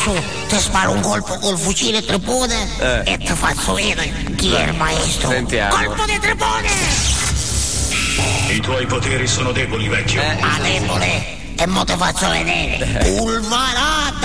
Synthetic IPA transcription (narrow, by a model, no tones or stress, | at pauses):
su | t̪əspaːɾuŋkɔlpokolfut͡ʃiːnet̪ɾəpɔːne | ɛet̪ʰːəfat͡ʃːoiːnə | kiɛ̰lmaɛst̪ɾsnt̪jaːkɔlpod̪et̪ɾəpoːne | it̪wɔjpot̪eːɾisoːnod̪ɛːbolivɛkːalɛbole | ɛmːɔt̪əfat͡ʃːolḛnɛːɾḛulvaɾat̪